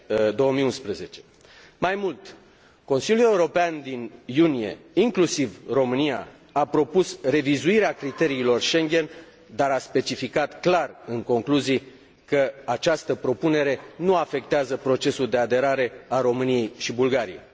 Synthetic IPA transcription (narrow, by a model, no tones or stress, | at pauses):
d̪o̞wəmiunspɾəze̞t͡ʃe̞̥ | majmult̪ | ko̞nsiljʲule̞uɾo̞peand̪injunije̞̰iŋklusivro̞mɨnija̰ | apɾo̞pusre̞vizuiɾeakɾit̪eɾiːlo̞rʃe̞ŋɡʲe̞n | d̪aɾaspe̞t͡ʃifikat̪klarɨŋko̞ŋkluzij | kəat͡ʃast̪əpɾo̞pune̞ɾe̞nuafe̞k̚t̪eazəpɾo̞t͡ʃe̞suld̪e̞ad̪e̞ɾaɾe̞aɾo̞mɨnije̞jʃibulɡaɾijḛj